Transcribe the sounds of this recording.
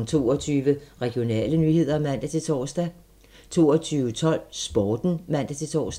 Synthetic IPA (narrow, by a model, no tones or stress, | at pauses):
nt͡sʰo̝̰ːɒt͡sʰyːʋəʁɛɡ̥jo̝nɛ̰ːlənyːhe̝ð̞̰ˠɐmæn̰d̥æt͡sʰe̝t͡sʰɒsd̥æ | t͡sʰo̝̰ːɒt͡sʰyːʊət͡sʰɒ̽l̰sb̥ɒːd̥n̩mæn̰d̥æt͡sʰe̝t͡sʰɒ̰ːs